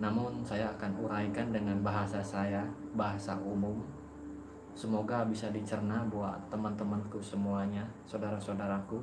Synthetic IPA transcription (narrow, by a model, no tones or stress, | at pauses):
namʊnsajaːkanṵɾaikandəŋanbaɦasasajabaɦasaʔumʊm | səmoɡabisadit͡ʃərnabawa̰t̪əmant̪əmankusəmuaɲasadaɾasadaɾaku